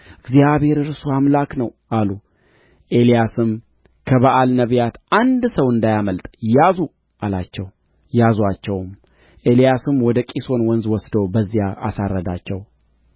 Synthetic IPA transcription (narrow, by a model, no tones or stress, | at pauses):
ɨɡzjaβhe̞ɾɨɾsoamlaknəwʔalu | ʔe̞lijasɨm | kʰəβaʔalnəβjat̪ʔand̪səwɨnd̪ajaməlt̪ʼjazu | ʔalat͡ʃːɛw | jazwat͡ʃːɛwm | ʔe̞lijasɨmwɔd̪əkʼiso̞nwɔnzwɔsd̪əwbəzːijaa̰sarːəd̪at͡ʃːɛw